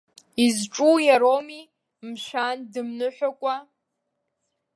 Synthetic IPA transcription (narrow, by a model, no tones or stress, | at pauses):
izʈ͡ʂʼujaɾomi | mʃandɨmnɨħʷᶣakʷʼa